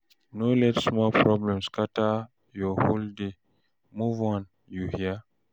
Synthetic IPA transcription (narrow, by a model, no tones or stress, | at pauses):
nolɛtsmɔlpʰɹɔblɛ̃mskata | jɔholde | muvɔ̃n | juhia